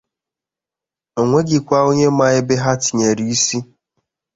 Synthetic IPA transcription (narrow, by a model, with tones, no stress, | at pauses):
o˨ŋʷe˦ɡɪ˨kʷa˦o˦ɲe˦ma˦ɪ˦bɪ˦ɦa˦tɪ˨ɲe˨ɾi˨i˦si˦